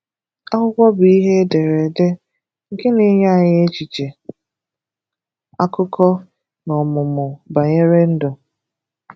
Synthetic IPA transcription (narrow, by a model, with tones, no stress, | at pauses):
a˦ɦʊ˦kʷɔ˦bi˦ɦe˦de˨ɾe˨de˦ | ŋ̩˨ke˦ne˨˦ɲa˦a˨ɲɪ˦e˦t͡ʃi˨t͡ʃe˨ | a˦kʊ˦kɔ˦ | nɔ˨mʊ˨mʊ˨ba˨ɲe˦ɾe˦n̩˦dʊ˨